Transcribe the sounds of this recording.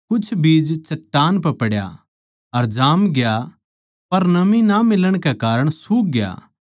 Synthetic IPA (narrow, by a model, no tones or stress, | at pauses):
kʊt͡ʃʰbiːd͡ʒt͡ʃɐʈːaːnpɛpɐɽja̰ | ɐɾd͡ʒaːmɡɪja | pɐɾnɐmĩnamɪləɽ̃kekaːɾəɽ̃suk̚ɡja̰ː